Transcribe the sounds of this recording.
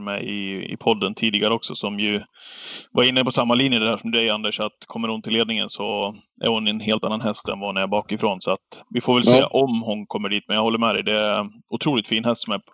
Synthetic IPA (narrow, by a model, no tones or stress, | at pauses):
mɛ̰ɪ̰ɪ̰pʰɔd̪ːənt̪ʰiːd̪ɪɡaɾəɔksɔsɔmjɵ | vaɾɪnːəpɔsamːaliːnjəd̪ɛd̪æːɾʂɔmd̪ɛjand̪əʂat̪kʰɔmːəɾhʊnt̪ʰɪleːd̪nɪŋə̰nsɔ | ʔæ̰ɾhʊnɛnɦeːlt̪anːanɦɛst̪ɛ̰nvahʊnæɾbɑːkɪfɾoːnsɔat̪vɪfoːɾvɛlsḛːʔɔmɦʊnkʰɔmːəɖiːt̪̚mɛnjahɔlːəɾmɛd̪ɛ̰jd̪ɛæʊt̪ʰɾuːlɪt̪fiːnhɛst̪sɔmæ